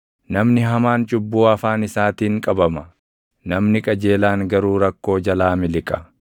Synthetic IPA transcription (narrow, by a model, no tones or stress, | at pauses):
nɐmnɪɦɐmaːnt͡ʃʼʊbːuːɐfaːnɪsaːt̪iːŋkʼɐbɐmɐ | nɐmnɪkʼɐd͡ʒeːlaːŋɡɐɾuːɾɐkːo̞ːd͡ʒɐlaːmɪlɪkʼɐ̥